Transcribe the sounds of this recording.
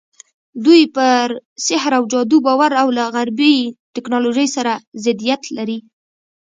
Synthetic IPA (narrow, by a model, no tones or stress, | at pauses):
d̪ujpəɾsɪhɾawd͡ʒɑd̪ubɑwaɾawlaɣaɾbit̪ɪknɑloʒəjsaɾazɪd̪ijat̪laɾi